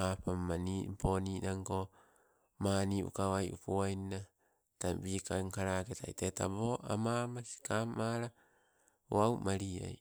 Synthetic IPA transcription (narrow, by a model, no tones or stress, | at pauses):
apammanimpʰoniːnaŋko | maniṵkawajʔṵpuajna | tabiːkaŋkaɾaketa̰jteta̰boʔamamasi̥kamaɾa | uawmaɾia̰j